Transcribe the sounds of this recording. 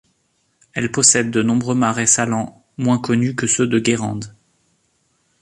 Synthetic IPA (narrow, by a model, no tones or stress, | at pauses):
ɛlpɔsɛd̪ːənɔ̃bʁømaʁɛsalɑ̃ | mwɛ̃kɔnykəsød̪əɡʲeʁɑ̰̃d̪